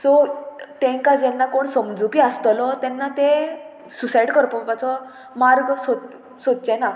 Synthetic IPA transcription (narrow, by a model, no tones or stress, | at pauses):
sɔt̪ɛ̃ŋkad͡ʑɛnːakoɳsəmd͡zupiːəst̪lɔt̪ɛnːat̪e | susaiɖkəɾpəpat͡sɔ | maɾɡsɔ | sod̪̚t͡ɕɛna